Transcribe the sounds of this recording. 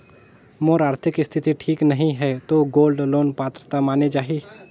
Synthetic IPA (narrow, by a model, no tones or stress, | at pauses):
moːɾaːɾt̪ʰɪkɪst̪ʰɪt̪iʈʰiːknɐɦĩɦɛt̪oɡoːlɖloːnpaːt̪ɾət̪amaːned͡ʒaːɦiː